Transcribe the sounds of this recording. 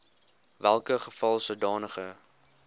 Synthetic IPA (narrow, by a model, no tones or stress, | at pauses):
vælˠkəχəfɐlˠsədɑːnəχə